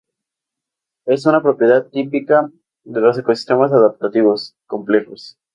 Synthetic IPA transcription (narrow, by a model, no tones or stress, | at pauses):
e̞s̬unapɾo̞pjeðað̚t̪ipika | d̪elo̞s̬e̞ko̞si̥st̪e̞mas̬aðap̚t̪at̪iβo̞sko̞mple̞xos